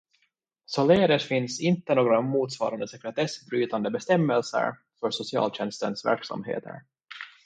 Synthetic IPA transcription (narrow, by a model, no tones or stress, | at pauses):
sɔleːɾət̪fɪnsɪnt̪ːənoːɡɾamuːt̪svɑ̰ːɾand̪əsɛkɾɛt̪ʰɛsbɾyːt̪and̪əbɛst̪ɛmːəlsə̰ɾ | fœʂsʊsɪɑ̰ːlɕɛnst̪ənsvæ̰ɾksa̰mɦḛːt̪ʰə̰ɾ